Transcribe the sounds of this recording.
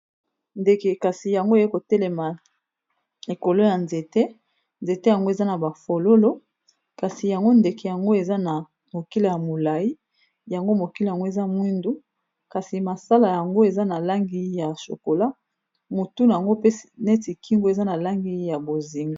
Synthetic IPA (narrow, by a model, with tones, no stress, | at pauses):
nde˨ke˨ka˨si˨ja˨ŋɡo˦e˨je˦ko˨tɛ˦lɛ˨ma˨ | e˨ko˨lo˦ja˨nze˨te˦ | nze˨te˦ja˨ŋɡo˦e˨za˦na˨ba˨fo˨lo˦lo˦ | ka˨si˨ja˨ŋɡo˦nde˨ke˨ja˨ŋɡo˦e˨za˦na˨ | mo˨ki˦le˨ja˨mo˨la˨ji˦ | ja˨ŋɡo˦mo˨ki˦le˨ja˨ŋɡo˦e˨za˦mwi˦ndu˦ | ka˨si˨ma˨sa˦la˨ja˨ŋɡo˦e˨za˦na˨la˦ŋɡi˦ja˨so̰˨ko˨la˦ | mo˨tu˦n˨a˨ŋɡo˦pe˦˨ne˦ti˨ki˦ŋɡo˦e˨za˦na˨la˦ŋɡi˦ja˨bo˨zi˨ŋɡa˦